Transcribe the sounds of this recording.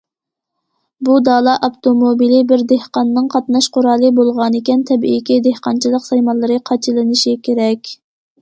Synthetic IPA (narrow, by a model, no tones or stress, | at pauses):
bud̪ɑːlˠɑʔɑpt̪omobilɪbɪɾd̪ehqɑnːɨŋqʰɑt̪nɑʃqʰʊɾɑːlˠɨbolˠʁɑnɪkʲɛnt̪ʰɛbʔḭkʲid̪ehqɑnt͡ʃʰilˠəqsɑjmɑlˠɨɾɨqʰɑt͡ʃʰilˠɨnɨʃikʲʰeɾɛkʲ